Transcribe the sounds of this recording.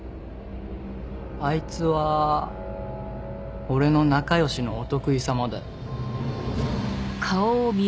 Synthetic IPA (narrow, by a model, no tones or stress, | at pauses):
ait͡sɨβa | o̞ɾe̞no̞nakajo̞ɕino̞ːt̪o̞kɯ̟isamad̪e̞̰ | kʰaomʲi